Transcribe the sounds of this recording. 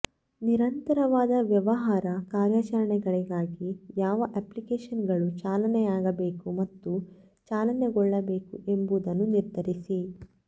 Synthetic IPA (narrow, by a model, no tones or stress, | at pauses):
niɾɐnt̪ɐɾɐʋaːd̪ɐʋjɐʋɐɦaːɾɐkaːɾjaːt͡ʃɐɾɐɳɛɡɐɭiɡaːɡijaːʋɐʔeplikeːʃɐnɡɐɭut͡ʃaːlɐnɛjaːɡɐbe̞ːkumɐt̪ːu | t͡ʃaːlɐneɡɔɭːɐbe̞ːkuʔembud̪ɐnːuniɾd̪ʱɐɾisi